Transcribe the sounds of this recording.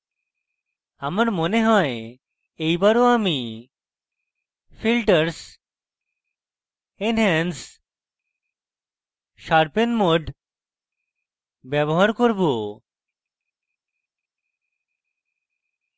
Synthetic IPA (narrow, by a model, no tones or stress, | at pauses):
amaɾmoneɦɔe | ejbaɾoami | filʈəɾs | enɦɛns | ʃaɾpenmoɖʱ | bɛboɦaɾkoɾbo